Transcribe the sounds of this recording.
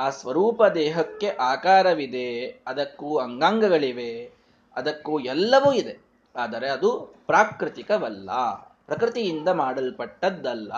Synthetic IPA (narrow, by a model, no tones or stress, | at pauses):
aːsʋɐɾuːpɐd̪ɛːɦɐkːe̞ʔaːkaːɾɐʋid̪e̞ɐd̪ɐkːuɐŋɡaːŋɡɐɡɐɭiʋe̞ | ɐd̪ɐkːuɛlːɐʋuːid̪e̞ | aːd̪ɐɾe̞ɐd̪upɾaːkɾɪt̪ikɐʋɐlːɐ̰pɾɐkɾɪt̪ijind̪ɐmaːɽɐlpɐʈːɐd̪ːɐlːɐ̰